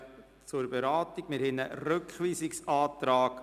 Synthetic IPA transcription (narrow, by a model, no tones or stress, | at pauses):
t͡sʊɾbɛɾɑːt̪iɡ̥mɪɾhɛnəɾøkχʋiːsɪksɑːt̪ɾɑːɡ̥